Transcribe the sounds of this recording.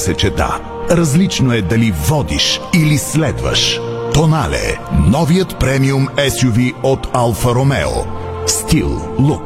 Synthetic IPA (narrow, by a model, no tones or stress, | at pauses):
sɛt͡ʃɛd̪a̰ | ɾɐzlit͡ʃnoɛd̪ɐlivɔd̪iʃilislɛd̪və̰ʃt̪onalɛ̰nɔvijət̪pɾɛmiumɛsjuviot̪alˠfɐɾomɛ̰o̰ | st̪ilˠlˠuk